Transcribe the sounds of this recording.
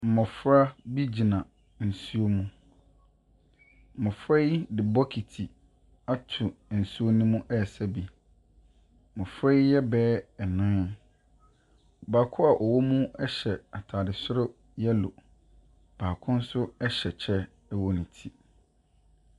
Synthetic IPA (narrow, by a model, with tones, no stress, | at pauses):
m̩˨mʊ̃˨fɾa˦bi˦d͡ʑi˨nã˨ | n̩˨su˦o˦mũ˦ | m̩˨mʊ̃˨fɾɛ˦i˦dɪ˨bɔ˦kʰi˨tʰi˨ | a˦tʰu˨n̩˨su˦o˦nũ˦mũ˦ʔɛ˦˨sɛ˦bi˨ | mʊ̃˨fɾɛ˦i˦jɛ˦bɛː˦ɛ˨nã˦˨ | baː˨kʰʊ˦a˨ʔɔ˨wɔ˦mũ˦ɛ˦ɕɛ˨a˨tʰaː˨dɪ˨sʊ˦ɾʊ˦ | jɛ˦lo˨ | b̥aː˨kʰʊ̃˦n̩˦sʊ˦ɛ˦ɕɛ˨t͡ɕʰɛ˦ | ɛ˦wɔ˨nĩ˨tʰi˦